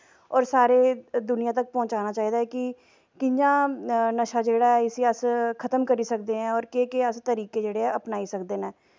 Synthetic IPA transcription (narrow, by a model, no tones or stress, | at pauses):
ɔːɾsaːɾeːd̪ʊnɪjãt̪ək̚pɔ̃ːɲt͡ʃaːnaːt͡ʃaːiːd̪aːɛːkɪ | kɪɲd͡ʒãːnəʃaːd͡ʒeːɽaːɛɪsiːəskʰət̪əmkəɾiːsəkd̪eːɛ̃ːɔːɾkeːkeəst̪əɾiːkeːd͡ʒeːɽeːɛːəpnaːiːsəkd̪eːnɛː